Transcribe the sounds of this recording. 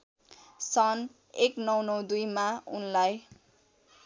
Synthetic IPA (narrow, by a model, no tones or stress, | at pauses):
sʌn | eknʌwnʌwd̪ujmaunlaj